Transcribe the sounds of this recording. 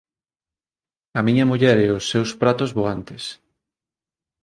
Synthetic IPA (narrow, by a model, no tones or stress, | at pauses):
ɐmiɲɐmuʎɛɾeʊsːewspɾat̪ozβoant̪es